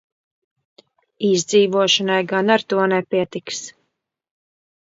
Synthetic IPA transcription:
izd̪ziːvuɔʃɔnajɡanaɾt̪uɔnɛpiɛt̪iks

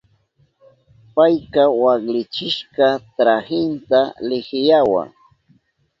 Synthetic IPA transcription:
pajkawaklɪt͡ʃɪʃkɑt̪ɾahɪnt̪alɪxɪjawa̰ŋ

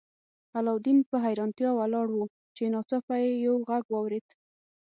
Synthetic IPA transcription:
alɑwd̪inpəɦajɾɑnt̪jɑwalɑɽwu | t͡ʃenɑt͡sɑpajejawɣaɡwɑwɾed̪̥

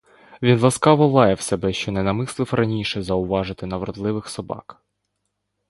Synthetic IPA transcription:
ʋʲinlˠɐskɑʋɔlˠɑjɛwsebɛʃt͡ʃɔnɛnɐmɪslˠɪwfrʔɐnʲiʃɛzɐʊʋɑʒɪt̪ɪnɐʋɾɔd̪lˠɪʋɪxsɔbɑ̰k

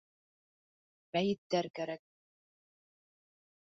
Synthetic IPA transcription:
mæjɘ̆t̪ːæɾkæɾæk̚

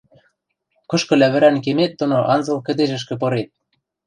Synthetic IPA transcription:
kɤ̆ʃkɤ̆læβɘ̆ɾænkemet̪̚d̪ŏnoʔɑnzɤ̆lˠkɘ̆d̪eʒɘ̆ʃ̬kɘ̆p̬ɤ̆ɾet̪̚

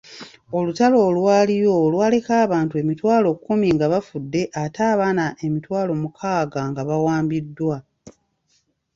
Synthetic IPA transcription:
o̞lutalo̞ːlwaːlijo̞ːlwaːle̞kaːβaːntue̞mitwaːlo̞kːumiŋɡaβafudːe̞ʔataːβaːnaʔe̞mitwaːlo̞mukʰaːɡaŋɡaβawaːmbidːwa

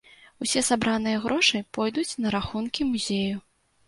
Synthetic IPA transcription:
wsʲɛsabɾanɨjɐɣɾʔɔʂɨpɔjd̪ut͡sʲnɐɾaxunkʲimuzʲeju

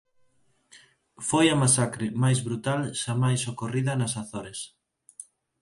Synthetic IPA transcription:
fojɐmasakɾɪmajzβɾut̪alʃamajsokoriðɐnasaθoɾes

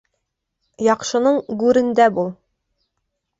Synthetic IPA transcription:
jɒqʃɤ̆nɤɴɡʉɾɘ̆nd̪æbulˠ

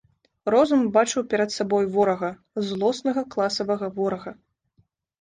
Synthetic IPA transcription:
rɔzumbat͡ʂɨwpʲɛɾɐt̪sabɔjvɔɾɐɣɐ | zlˠɔsnɐɣɐklˠasɐvɐɣɐvɔɾɐɣɐ

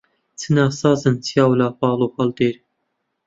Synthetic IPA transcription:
t͡sʰɨnaːsɑːzɨnt͡sʰijɑːwlaːpɑːlˠoːxɑld̪eːɾ

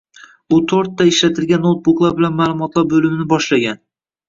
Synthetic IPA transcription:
ʊt̪ʰoɾt̪ːaɪʃlat̪ʰɪlɡʲanːot̪̚buʊklˠaɾbɪlanmaːlˠʊmɒt̪lˠaɾbɵlɪmnɪbɒʃlaɡʲan

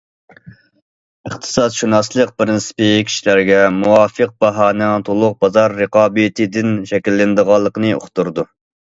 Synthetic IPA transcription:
əχt̪ʰɨ̥sɑd̪ʃunɑslˠəq̚pɾɪnsɨ̥pɨkʲʰi̥ʃilæɾɡʲɛmuwɑːfəq̚bɑɦɑːnɛŋt̪ʰolˠʊq̚bɑzɑɾːəqɑːbɨt̪ʰɨd̪ɪnʃɛkʲilːɪnd̪əʁɑlˠːəqənɨo̰χt̪uɾd̪u

